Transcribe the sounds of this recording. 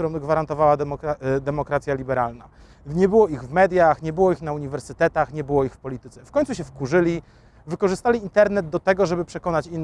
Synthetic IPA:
uɾɔ̃wɡvaɾant̪ɔvawad̪ɛmɔkɾat̪sʲjalʲibɛɾalna | ɲɛbɘwɔiɣvmɛd̪ʲjaxɲɛbɘwɔixnauɲivɛɾsɘt̪ɛt̪axɲɛbɘwɔixfpɔlʲit̪ɘt̪sɛfkɔɲ̃ʲt̪suɕ̬ɛfkuʐɘlʲi | vɘkɔʐɘst̪alʲiːnt̪ɛɾnɛd̪̚d̪ɔt̪ɛɡɔʐɛbɘpʂɛkɔnat͡ɕinː

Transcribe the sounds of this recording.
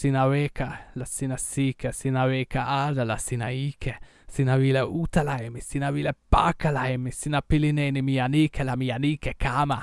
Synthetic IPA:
sinavekʰalasinasikɛsinavekaadalasinaikʰɛ | sinavilɛut̪alaɛmisinavilɛpakːalaɛmisinapilinɛnimianikʰɛlamiːanikɛkama

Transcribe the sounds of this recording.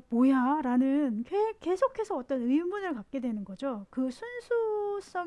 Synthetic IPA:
mojaɾanɯnkek͈e̞sʰokʰe̞sʰʌʌt͈ʌnɯimunɯɭkak̚k͈e̞dwe̞nɯnɡʌd͡ʑokɯsʰunsʰus͈ʌ

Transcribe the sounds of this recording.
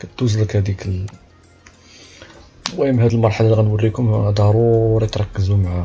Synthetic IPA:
kæt̪ːuzləkhæd̪ikl | wæjəmhæd̪əlmɑɾˤħalaliɣænwərːikʊmd̪ɑɾˤuɾˤɑjt̪ɾˤɑkːəzumʕa

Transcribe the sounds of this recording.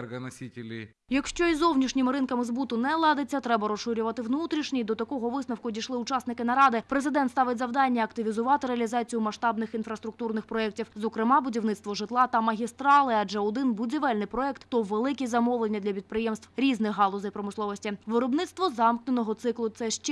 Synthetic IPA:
ɡɐnɐsʲitʲɪlʲi | jɐkʃt͡ʃɔizɔwnʲiʃnʲɪmɪɾɪnkɐmɪzbut̪ʊnɛlˠɑd̪et͡sʲːɐt̪ɾɛbɐɾɔsʃʊɾʲʊʋɐt̪ɪʋnut̪ɾʲiʃnʲijd̪ɔt̪ɐkɔɦɔʋɪsnɐwkʊdʲiʃlˠɪʊt͡ʃɑsnɪkɪnɐɾɑd̪ɪpɾezɪd̪ɛnt̪st̪ɑʋɪtʲzɐwd̪ɑnʲːɐɐkt̪ɪʋʲizʊʋɑt̪ɪɾeɐlʲizɑt͡sʲijʊmɐʃt̪ɑbnɪxinfɾɐst̪ɾʊk̚t̪urnɪxpɾɔɛk̚tʲiwzɔkɾɪmɑbʊdʲiwnɪt̪st̪ʋɔʒɪt̪lˠɑt̪ɐmɐɦʲist̪ɾɑlˠɪɐd͡ʒɛɔd̪ɪnbʊdʲiʋɛlʲnɪjpɾɔɛkt̪ːɔʋelˠɪkʲizɐmɔʋlˠenʲːɐd̪ʲlʲɐpʲid̪pɾɪjɛmst̪wɾʲiznɪxɦɑlˠɔzɐjpɾɔmɪslˠɔʋɔsʲtʲiʋɪɾɔbnɪt̪st̪ʋɔzɑmknenɔɦɔt̪sɪklˠʊt̪sɛʃt͡ʃ

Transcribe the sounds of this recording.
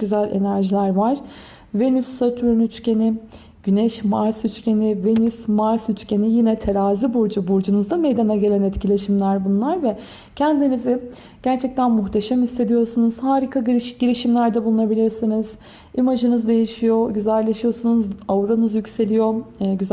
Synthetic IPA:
yzælʲe̞̰næɾʒilʲæɾvaɾ̥ | ve̞nysːat̪ʰyɾynyt͡ʃce̞ni | ɟ̥ynɛʃmaɾsyt͡ʃce̞nive̞nysmaɾsyt͡ʃce̞nijinɛt̪ʰeɾaːzibuɾd͡ʒubuɾd͡ʒunɯzd̪ame̞jd̪anaɟe̞lʲænɛt̪cʰilʲe̞ʃimlʲæɾbunlˠaɾvɛ | cʰɛnd̪inizɪ | ɟ̥æɾt͡ʃʰɛc̚t̪ʰænmuxt̪ʰe̞ʃæmist̪ːe̞d̪ijo̞ɾsunuz̥haːɾikʰaɟiɾiʃimlʲæɾd̪ɛbulˠunabilʲiɾsiniz̥ | imaʒɯnɯzd̪e̞jiʃijo̞ɟyzælʲːe̞ʃijo̞sunuzavuɾanɯzjycse̞lʲijo̞ɟyz

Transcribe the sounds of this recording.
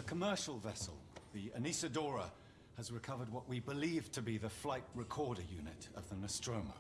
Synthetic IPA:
əkʰəmɜˑ˞ʃəlˠvɛsəlˠðiə̰nisədɔɹə | əzɹɨkʰʌvə˞d̚wʌʔwibɪliːv̥tʰəbiðəflaɪʔ̚ɹɪkʰɔɹɾəjʉ̰nɪ̰tə̰vðənəstɹ̥õʊ̃mə̰

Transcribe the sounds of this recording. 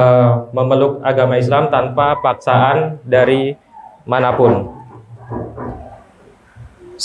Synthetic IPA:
məməlʊk̚aɡamais̬lamt̪anpapaksaandaɾi | manapʊn | s

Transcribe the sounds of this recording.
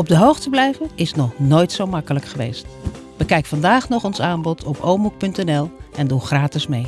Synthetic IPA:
ɔb̚dəɦowxtəblɛjvənɪsnɔχnoːjtsowmɑkələkχəʋḛjst | bəkɛjkfɑndaːχnɔχɔnsaːnbɔtʰɔpowmuk̚pɵntɛnɛlˠɛnduχraːtɪsmej

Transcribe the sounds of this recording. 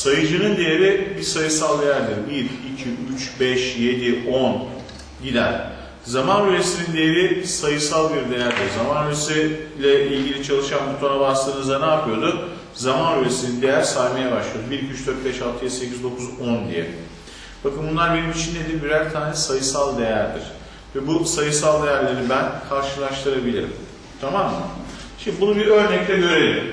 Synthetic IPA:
sajɯd͡ʒɯnɯnd̪ejeɾibiɾsajɯsalˠd̪e̞jæɾd̪ɯɾbiɾicʰiyt͡ʃbɛʃje̞d̪iʔon | ɟid̪æ̰n | zamanɾyɾesinind̪ejeɾisajɯsalˠbiɾd̪e̞jæɾd̪ɯɾzamanɾyɾesilʲɛʔilʲɟilʲit͡ʃʰalˠɯʃanut̪ʰonabaslˠɯɯnɯzd̪anaːpʰɯjo̞d̪ʊ | zamanyɾesind̪ejæɾsalmajabaʃlˠɯjo̞d̪biɾkʰyt͡ʃd̪øɾt̪̚bɛʃalˠt̪ʰɯjɛsecizd̪o̞kʰuzond̪ḭjɛ̰ | b̥akɯnbunlˠaɾbenimit͡ʃʰind̪ed̪ʲibiɾæɾt̪ʰaːnɛsajɯsalˠd̪e̞jæɾd̪ḭɾ̥ | vɛbusajɯsalˠd̪e̞jæɾlʲe̞ɾibænkʰaɾʃɯlˠaʃt̪ʰɯɾabilʲḭɾḭm | t̪ʰamamːɯ̰ | ʃimd̪ibunubiɾø̞ɾnɛk̚t̪ʰɛɟø̞ɾelʲim

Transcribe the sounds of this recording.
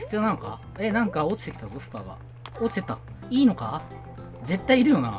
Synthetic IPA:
çi̥t͡sɨjo̞nano̞ka̰ | enãŋkaoːt͡ɕi̥t̪e̞kʲit̪azosɨ̥t̪aːɡa̰ | oːt͡ɕi̥t̪eit̪a | iːno̞ka | d͡ze̞t̪ːaiːɾɯ̟jo̞ːna̰

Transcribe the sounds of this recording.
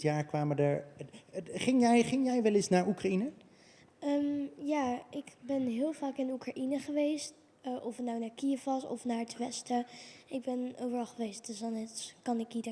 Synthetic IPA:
jaːɹkʋaːmədəɹ | χɪŋjɛjχɪŋjɛjʋɛlɪsnaːɹukrainə | əmjaːɪkbɛnɦɪːlˠvaːkɪnukraʔinəχəʋejst | ʔɔfətnawnaːɹkiəfɑsɔ̰fnaːɹətʋɛstəɪɡ̚bɛnowvəɹɑlˠχəʋejst̚døsɑnɛskɑnɪknit

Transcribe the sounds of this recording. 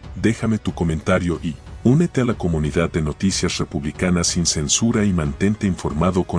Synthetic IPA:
d̪e̞xame̞t̪uko̞mẽnt̪aɾjo̞ʔiune̞t̪e̞alako̞mũniðað̚d̪e̞no̞t̪isjasre̞puβlikanasinse̞nsuɾaimãnt̪e̞nt̪eiɱfo̞ɾmaðo̞ko

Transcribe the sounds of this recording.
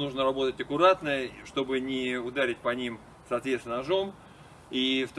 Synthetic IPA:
nuʐnəɾɐbo̞t̪ətʲəkʊɾat̪nəʂt̪o̞bɨnʲɪʊd̪aɾʲɪt̚ʲpɐnʲim | sɐːt̪vʲet̪st̪ʲɪnʐo̞m | ift̪

